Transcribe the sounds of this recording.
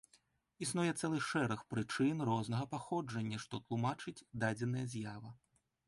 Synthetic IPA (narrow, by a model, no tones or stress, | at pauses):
isnujɛt̪sɛlˠɨʂɛɾɐxpɾɨt͡ʂɨnrɔznɐɣɐpaxɔd͡ʐɐnʲːɐʂt̪ɔt̪lˠumat͡ʂɨd͡zʲd̪ad͡zʲɛn̪ɐjɐzʲjavɐ